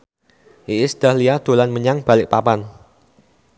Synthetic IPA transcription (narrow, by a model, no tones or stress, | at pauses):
ʔiɪsd̪̥ahliad̪̥o̤lanməɲaŋb̥a̤lɪk̚papan